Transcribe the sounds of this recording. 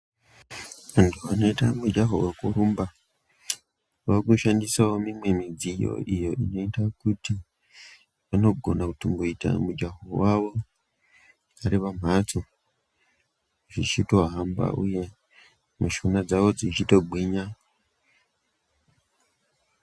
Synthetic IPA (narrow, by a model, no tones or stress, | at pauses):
ʋantʰuano̞itamud͡ʒaɦo̰wekuɾumba | ʋakuʃandisawo̞mimwe̞mid͡zijo̰ʔijo̞ʔino̞itakuti | ʋano̞ɡʱo̞̰nakutumboita̰mud͡ʒaɦowaʋo̞ | aɾiʋamat͡so | ʐit͡ʃitoɦamba̰ʔṵje̞ | muʃunad͡zaʋo̞d͡zit͡ʃito̞ɡ͡bwiɲa